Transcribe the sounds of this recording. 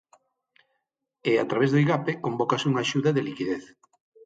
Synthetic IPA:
eat̪ɾaβ̞ezðojɣapekombokasuŋaʃuðɐðelikiðeθ

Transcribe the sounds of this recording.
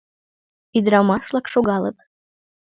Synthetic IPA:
id̪ɾɑmɑʃlɑkʃoɡɑlˠə̰t̪

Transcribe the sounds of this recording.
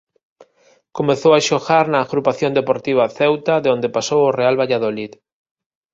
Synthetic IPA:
komeθowaʃoɣaɾnɐːɣɾupaθjond̪epoɾt̪iβ̞aθɛwt̪aðeond̪epasoworealβaʎaðolið

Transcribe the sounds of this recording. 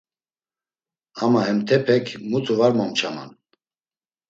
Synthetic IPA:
amaɦɛmt̪ʰɛpʰɛkʰmut͡sʼuvaɾmɔmt͡ʃʰama̰n

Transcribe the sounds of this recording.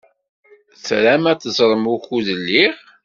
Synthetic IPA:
θɾæmæθəzˤɾˤəmuxuðəlːiʁ

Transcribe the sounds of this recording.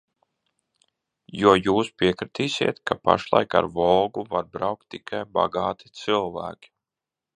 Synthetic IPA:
juɔjuːspiɛkɾit̪iːsʲḭɛt̪kapa̰ʃlˠa̰jka̰ɾvɔlˠɡuvaɾbɾawkt̪ːikʰajba̰ɡɑːt̪ʰi̥t̪sɨlˠvæ̰ːkʲi̥

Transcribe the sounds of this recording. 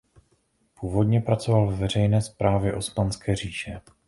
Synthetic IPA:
puːvo̞dɲɛpɾat͡so̞valvɛvɛr̝ɛjnɛːspɾaːvjɛʔospanskɛːriːʃɛ

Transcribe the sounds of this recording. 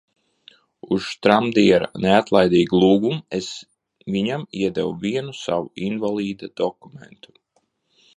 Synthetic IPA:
uʃt̪ɾamd̪iɛɾaneat̪lˠajd̪iːɡlˠuːɡumes | viɲamiɛd̪ɛwuviɛnusa̰wuinvalˠiːd̪ad̪̥ɔkumḛnt̪u̥

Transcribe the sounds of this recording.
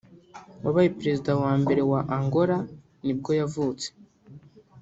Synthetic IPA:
waβajipɾe̞zidawaːmbe̞ɾe̞waʔaŋɡo̞ɾa | nib̚ɡo̞javuːt͡se̥

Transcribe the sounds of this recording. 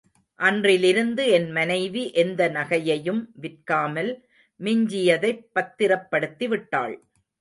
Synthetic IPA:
ʔɐndrɪlɪɾɯnd̪ɯɛnmɐnɐɪʋiʔɛnd̪ɐnɐɣɐjɐjɯmʋɪrkaːmɐl | mɪɲd͡ʒɪjɐðɐɪpːɐt̪ːɪɾɐpːɐɽɯt̪ːiʋɪʈːa̰ːɭ

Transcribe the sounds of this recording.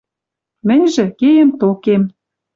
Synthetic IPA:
mɘ̆nʲʒɘ̆kejĕmt̪okem

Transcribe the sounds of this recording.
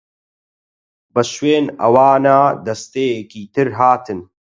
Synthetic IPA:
bɐʃweːnɐ̰waːnaːd̪ɐst̪eːjekiːt̪ɨɾɦaːt̪ʰɨn

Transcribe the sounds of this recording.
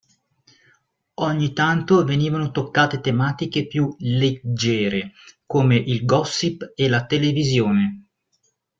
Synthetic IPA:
ɔɲːit̪ant̪oveniːvanot̪okːaːt̪et̪emaːt̪ikepjuled͡ʒːɛːɾekoːmeʔilɡɔsːipelat̪elevizjoːne

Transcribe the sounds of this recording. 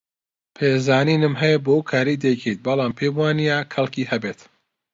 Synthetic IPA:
pʰeːzaːniːnɨmɦɛjebokʰaːɾid̪ɛjkʰijt̪̚bɐlaːmpʰeːbwaːnijakʰɐlkʰihɐbeːt̪

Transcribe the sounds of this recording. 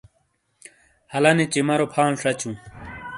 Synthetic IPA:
hɐlɐnit͡ɕimɐɾopʰaːnʂɐt͡ɕũː

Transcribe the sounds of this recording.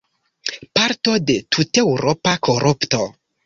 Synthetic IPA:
paɾto̞de̞tʰute̞wɾʔopakʰoɾʔupto̞

